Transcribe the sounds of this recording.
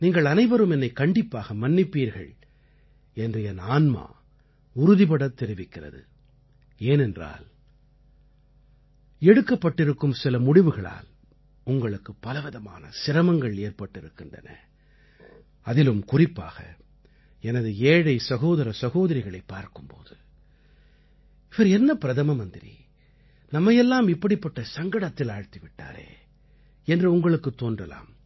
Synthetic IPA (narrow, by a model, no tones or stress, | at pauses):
niːŋɡɐɭɐnɐɪʋɐɾɯmɛnːɐɪkɐɳɖɪpːaːɣɐmɐnːɪpːiːɾɣɐ̰ɭ | ɛndrɯɛnaːnma̰ː | ʊɾʊðɪpɐɽɐt̪ːɛɾɪʋɪkːɪrɐ̰ðɯ̰ | eːnɛndra̰ːl | ɛɽɯkːɐpːɐʈːɪɾɯkːɯmsɪlɐmʊɽɪʋɯɣɐɭa̰ːl | ʊŋɡɐɭɯkːɯpːɐlɐʋɪðɐma̰ːnɐ̰sɪɾɐmɐŋɡɐɭeːɾpɐʈːɪɾɯkːɪndrɐ̰nɐ̰ | ɐðɪlɯmkʊrɪpːa̰ːɣɐ̰ | ɛnɐðɯeːɻɐɪsɐɣoːðɐɾɐsɐɣoːðɐɾɪɣɐɭɐɪpːaːɾkɯmpo̰ːðɯ | ʋɐɾɛnːɐpɪɾɐðɐmɐmɐnd̪ɪɾḭ | nɐmːɐjɛlːaːmɪpːɐɽɪpːɐʈːɐsɐŋɡɐɽɐt̪ːɪlaːɻt̪iʋɪʈːa̰ːɾḛː | ɛndrɯʊŋɡɐɭɯkːɯt̪ːoːndrɐla̰ːm